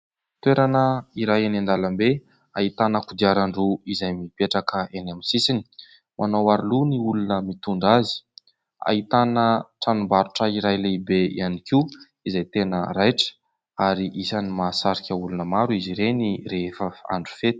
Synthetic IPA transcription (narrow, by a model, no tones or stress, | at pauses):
t̪weɾanəiɾajenand̪aləmbe | ait̪anəkud̪iaɾaɳɖ͡ʐuizajmipeʈ͡ʂakəenamisisini̥ | mʔanowaɾuluniulunəmit̪uɳɖ͡ʐazi̥ | a̰it̪anəʈ͡ʂanumbaɾuʈ͡ʂəiɾajleibeḭanikiw | izajt̪enəɾajʈ͡ʂə̥ | aɾiʔisanimaːsaɾikʲəulunəmaɾuiziɾenireefəa̰ɳɖ͡ʐu̥fet̪i̥